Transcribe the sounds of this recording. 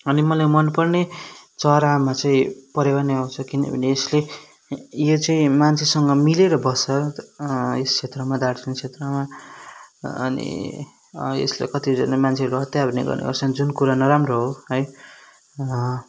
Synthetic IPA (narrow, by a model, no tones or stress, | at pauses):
ʌnimʌlajmʌnpʌrnet͡sʌɾamat͡saĩpʌɾebaneɦawt͡sʰʌkinḛbʱʌ̰neːsle | jot͡saĩmant͡sʰesʌŋɡʌmileɾʌbʌsʌ | est͡sʰet̪rʌmad̪aɽt͡sʌnt͡sʰet̪rʌma | ʌ̰nḭ | ḛslḛkʌt̪id͡zʌnamant͡sʰeɦʌɾuɦʌt̪jabʱʌnḛɡʌ̰rnḛbʌ̰rsʰʌnd͡zunkuɾanʌɾamroɦoɦʌj